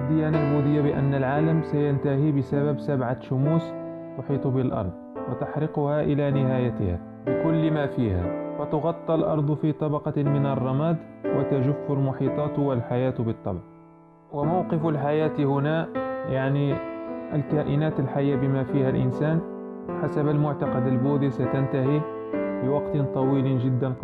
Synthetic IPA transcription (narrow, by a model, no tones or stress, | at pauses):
d̪ːɪjanabuːd̪ɪjːabɪʔa̰nːalʕaːlamsajant̪ahibɪsababsabʕaʃʊmuːs | t̪ʊħiːt̪ˤbɪlʔɑ̰ɾˤd̪̚ˤwat̪aħɾɪqʊhaʔɪlanɪhaːjat̪ɪha̰ | bɪkʊlːmaːfiːha̰fæt̪ʊɣɑt̪ˤːɑlʔɑ̰ɾˤd̪ˤfit̪ˤɑbɑqɑmɪnɑrˤːɑmaːd̪wʔɪt̪aʒʊfːʊlmʊħiːt̪ˤɑːt̪walħajaːt̪bɨt̪ˤːɑ̰bʕ | wɪmawqɪfalħajaːt̪hʊnaːʔjaʕniʔalkaːʔɪnaːt̪alħajːabɪmafiːhalʔɪ̰nsaːn | ħasabalmʊʕt̪ɑqɑd̪albuːd̪isat̪ant̪ahiː | bɪwɑqt̪t̪ˤɑwiːlʒɪd̪ːan